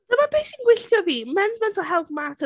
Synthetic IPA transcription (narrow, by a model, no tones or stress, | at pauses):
dəmabejsinɡwɪɬjɔviːmɛnɪd͡ʒmɛntʰɔɦɛlˠvmatʰə